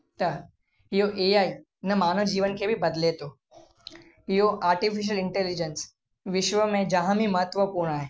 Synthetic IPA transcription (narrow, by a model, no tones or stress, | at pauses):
t̪ɐ | ɪjoʔeːjaːi | nɐmaːnəʋd͡ʒiːʋənkʰebʱibɐd̪let̪oː | ɪɦoʔaːɾʈifiʃ̬əlɪɳʈeːlid͡ʒəns | ʋɪʃʋəmẽd͡ʒɐɦãmimɐɦət̪ʋəpuːɾɳ̃aːɦeː